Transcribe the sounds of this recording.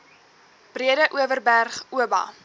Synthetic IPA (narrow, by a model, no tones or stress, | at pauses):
b̥riədəʔuəvərbærχuəbɑ̰ː